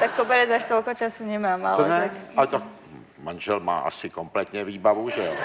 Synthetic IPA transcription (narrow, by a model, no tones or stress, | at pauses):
t̪akːobɛɾɛd͡zaʃt̪ɔlkɔt͡ʃasuɲɛmaːma̰lɛ̰ntɛakat̪ak̚ | manʒɛlma̰ːʔa̰sɪkomplɛt̪ɲɛviːbavuʒɛ